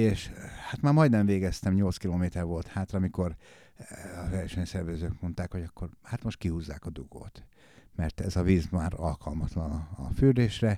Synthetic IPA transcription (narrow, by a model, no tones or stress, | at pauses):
eːʃhat̪maːɾmɒjd̪nɛɱveːɡɛst̪ɛmɲo̞lt̪skiloːmeːt̪ɛrvo̞lt̪haːt̪rɒːmiko̞r | ɒvɛrʃɛɲsɛrvɛzøːkmo̞nt̪aːkho̞ɟɒkːo̞rhat̪mo̞ʃt̪̚kihuːzːa̰ːkɒd̪uɡ̥o̰ːt̪ | mɛrt̪ɛzɒviːzmaːɾɒlkɒlmɒt̪lɒnɒɒ̰fyrd̪eːʃrɛ